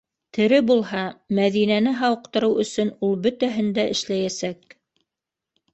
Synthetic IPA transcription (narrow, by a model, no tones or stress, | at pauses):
t̪ʰɘ̆ɾɘbulˠɦɑmæðinænɘɦɑwɤ̆qt̪ɤ̆ɾɤwɵ̆sɵnulˠbɵt̪æɦɘnd̪æʔɘ̆ʃlæjæsæk̚